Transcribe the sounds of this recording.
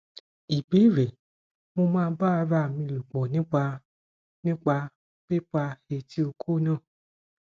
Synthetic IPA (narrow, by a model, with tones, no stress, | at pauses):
i˨be˨˦˨ɾɛ˨ | mo˧mãː˦˧˦ba˦˧ɾa˧˨mĩ˧lu˨ɡ͡bɔ˨nĩ˦k͡pa˧ | nĩ˦k͡pa˧ | k͡pe˦k͡pa˧he˧tʰi˦o˧kʰo˦nã˦˨